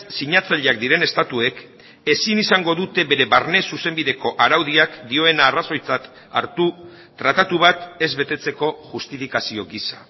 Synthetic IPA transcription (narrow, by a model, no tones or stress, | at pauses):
siɲat͡saʎeak̚d̪iɾe̞ne̞st̪at̪ue̞k | e̞sinisaŋɡo̞ðut̪e̞βe̞ɾe̞βarne̞suse̞mbiðe̞ko̞ʔaɾawð̞iakd̪io̞e̞naːraso̞jt͡sat̪ | a̰ɾt̪u | t̪ːɾat̪at̪uβ̞at̪e̞zβe̞t̪e̞t͡se̞ko̞ʝust̪ifikasio̞ɡisa